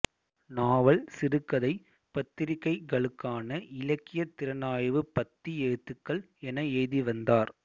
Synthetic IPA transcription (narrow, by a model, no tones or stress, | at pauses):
naːʋɐɭsɪɾɯkːɐðɐɪ | pɐt̪ːɪɾɪkːɐɪɡɐɭɯkːaːnɐʔɪlɐkːɪjɐt̪ːɪɾɐnaːjʋɯpɐt̪ːieːt̪ːɯkːɐɭ | ɛnɐɛːðiʋɐnd̪aːɾ